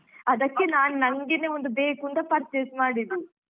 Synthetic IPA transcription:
ɐd̪ɐkːenaːnunɐŋɡeneond̪ubeːkunt̪ɐpɐɾt͡ʃesmaːɽid̪i

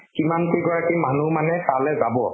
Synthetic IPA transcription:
kimankojɡɔɹakimanumanɛkalɛzabɔ

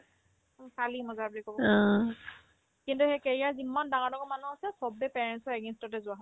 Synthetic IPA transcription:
kʰalimɔzaɹbulikɔbɔã | kintuhejkeɹijazimːandaŋadɔkɔmanuɦosɛsɔbɛpɛɹɛnsɔɛɡenstɔtɛzʊwaɦɔ

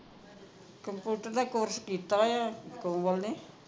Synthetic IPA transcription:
kəmput̪ərnakuwərsə̥kit̪ajakowɔlni

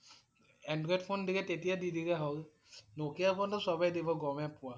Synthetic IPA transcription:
ɛndɹɔjdpʰondikɛtetijadidikɛɦɔl | nokijapʰɔntʊsɔbajdibɔɡɔmɛpʊwa

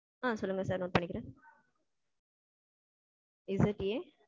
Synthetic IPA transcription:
aːsɔlːɯŋɡɐsaːɾnoːɾpɐɳːɪkːɪɾẽː | ɪzɪʈje

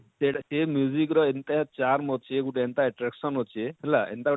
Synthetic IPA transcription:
sesemjuzikɾɔent̪at͡ʃaɾmɦot͡ʃʰeɡuʈeent̪aɛʈɾeksɔnɦot͡ʃʰeɦelaḛnt̪aɡ

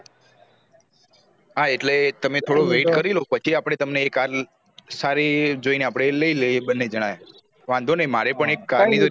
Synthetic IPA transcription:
aeʈlet̪əmet̪ʰoɽoʋeʈkəɾilopət͡ʃʰiapɽ̃et̪əmneːkaɾ | saɾed͡ʒoineapɽ̃eləilebənːed͡ʒəɽ̃aja | ʋãnd̪ʱonəimaɾepəɳ̃ekːaɾnid͡ʒo

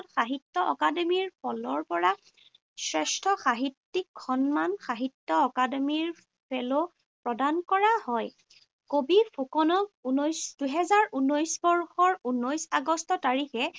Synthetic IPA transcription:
txaɦitːɔʔɔ̰kademiɹpʰɔlɔɹpɔɹa | sɹɛstʰɔxaɦitːikʰxɔnmanxaɦitːɔɔkademiɹ | pʰelo | pɹɔdankɔɹahɔj | kobipʰokɔnɔk̚unɔjsd̥uɦɛzaɹunɔjsbɔɹxɔɹunɔjsaɡɔstɔtaɹixɛ

